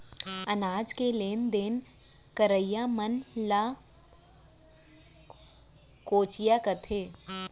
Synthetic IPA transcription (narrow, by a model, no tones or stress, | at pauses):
ɐnaːd͡ʒkeleːnd̪eːn | kəɾəjaːmənlaː | koːt͡ʃɪjaːkɐt̪ʰeː